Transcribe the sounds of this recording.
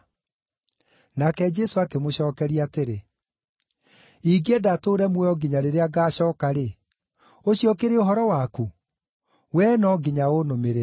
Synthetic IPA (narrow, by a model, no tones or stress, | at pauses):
nakɛd͡ʒɛsoakemoɕɔːkɛɾiateɾe | iɡeɛdatoːɾɛmwɛɔɡiɲaɾeɾeaɡaːɕɔːkaɾe | oɕiɔkeɾeoɦɔɾɔwaku | wɛnɔɡiɲaonomeɾe